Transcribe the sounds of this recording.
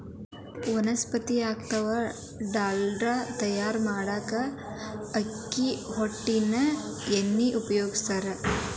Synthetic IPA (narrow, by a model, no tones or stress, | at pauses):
ʋɐnɐspɐt̪iaːk̚t̪ɐʋɐ | ɖaːlɖɾaːt̪ɐjaːɾmaːɽaːkɐː | kːiɦoʈːinɐenːiʔupɐjoːɡist̪aːɾɐ